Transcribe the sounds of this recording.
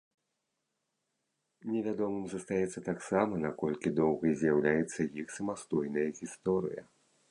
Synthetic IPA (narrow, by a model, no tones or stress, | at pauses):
nʲɛvʲad̪ɔmɨmzɐst̪ajɛt̪sːɐt̪aksamɐnakɔlʲkʲid̪ɔwɣɐjzʲjawlʲajɛt̪sːɐjixsɐmast̪ɔjnɐjɐɣʲist̪ɔɾɨ̰jɐ̰